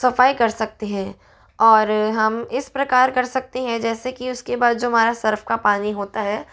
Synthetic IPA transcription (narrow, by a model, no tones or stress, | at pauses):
sɐfaːikɐɾsɐk̚t̪eɦɛ̃ː | ɔːɾɦɐmɪspɾɐkaːɾkɐɾsɐk̚t̪eɦɛ̃d͡ʒɛːsekiʊskebaːd̪̚d͡ʒoːɦɐmaːɾasɐɾfkapaːniɦoːt̪aɦɛː